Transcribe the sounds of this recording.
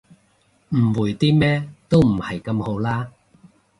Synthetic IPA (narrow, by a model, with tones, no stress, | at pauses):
m̩˨˩wuː˨˩jt̪iː˥mɛː˥t̪o˥wm̩˨˩hɐ˨jkɐ˧mho˨˥wlaː˥